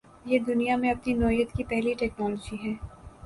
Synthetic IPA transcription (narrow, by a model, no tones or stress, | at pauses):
jeːd̪ʊnijamẽɐpninɔːjət̪kipɛɦliʈɛːknɔːlɔd͡ʒiɦɛː